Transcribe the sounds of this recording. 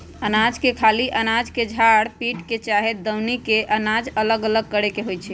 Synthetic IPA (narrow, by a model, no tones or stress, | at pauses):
ənad͡ʒkekʰaliʔənad͡ʒked͡ʒʱaɽpiʈket͡ʃaɦed̪əwnikeʔənad͡ʒələɡələɡ̚kəɾekeɦojt͡ʃʰɛ